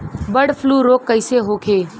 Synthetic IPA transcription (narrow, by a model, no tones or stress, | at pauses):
bəɽfʰluːɾoːkːəɪseɦoːkʰeː